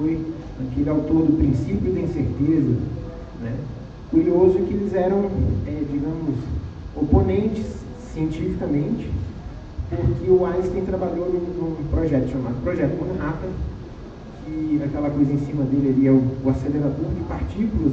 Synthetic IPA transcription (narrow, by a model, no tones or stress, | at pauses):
oj | akelɪawt̪oɾd̪ʊpɾĩsipjʊd̪ɐĩseɾt̪ezɐ | nɛ | kuɾiozʊkɪelɪzɛɾɐ̃w̃ɛd͡ʒiɡɐ̃mʊsoponẽnt͡ʃɪ̥sː | iẽnt͡ʃifikɐmẽnt͡ʃɪ̥ | pʊɾkɪʊast̪ẽj̃t̪ɾabaʎowd̪ũũpɾɔʒɛt̪ʊ̥ʃamad̪ʊpɾɔʒɛt̪ʊmũnat̪ɐ | kɪakɛlɐkojzɐẽsĩmɐd̪elɪɛlɪɛʊʊaseleɾad̪oɾd͡ʒɪpaɾt͡ʃikʊlɐ